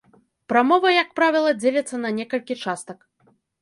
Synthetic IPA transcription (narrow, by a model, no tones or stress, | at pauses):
pɾamɔvɐjɐk̚pɾavʲilˠɐd͡zʲelʲɐt̪sːɐnɐnʲɛkɐlʲkʲit͡ʂast̪ɐk